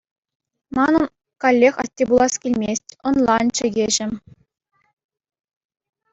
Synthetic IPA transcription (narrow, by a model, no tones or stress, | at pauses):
mɑnɤ̆n | kɑlʲːexɑ̰tʲːebulˠɑskʲilʲmʲesʲtʲŏnlˠɑnt͡ɕɘ̆ɡʲeʑɘ̆